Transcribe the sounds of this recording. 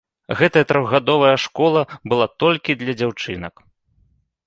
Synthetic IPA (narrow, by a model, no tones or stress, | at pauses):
ɣɛt̪ɐjɐt̪ɾɔɣɣad̪ɔvɐjɐʂkɔlˠɐbɨlˠat̪ɔlʲkʲid̪lʲɐd͡zʲawt͡ʂɨnɐ̰k